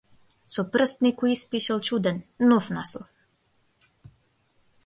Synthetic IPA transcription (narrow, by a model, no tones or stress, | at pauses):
sɔprst̪nikuispiʃɛlˠt͡ʃud̪ɛnnɔfnaslˠɔf